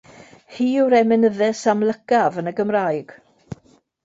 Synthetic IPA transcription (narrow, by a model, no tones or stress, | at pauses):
hiːuɾɛmɛnəðɛsamləɡavənəɡəmraːjɡ̥